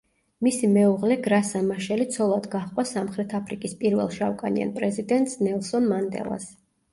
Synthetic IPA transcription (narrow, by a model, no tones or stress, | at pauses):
misimɛuʁlɛɡɾasamaʃɛlit̪sʰɔlˠad̪ɡaχqʼwasamχɾɛt̪ʰapʰɾikʼispʼiɾvɛ̰lˠʃawkʼa̰nḭa̰npʼɾɛzid̪ɛnt̪ʼsnɛlˠsɔnmand̪ɛ̰lˠa̰s